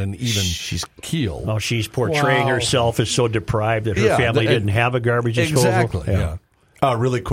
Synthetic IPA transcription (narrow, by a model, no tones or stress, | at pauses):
ɨ̃nivɨ̃nʃiz̥kʰilˠdoʃiz̥pʰɔɹtʰɹ̥eɪɪ̃ŋhə˞sɛlˠfɨz̥soʊdɨpʰɹ̥aɪvðɨt̚hə˞fæ̃mlidɪdⁿn̩t̚ɦɨvɨɡɑɹbɨd͡ʒɨzɡotˡliæ | ʌɹɪlˠikʰ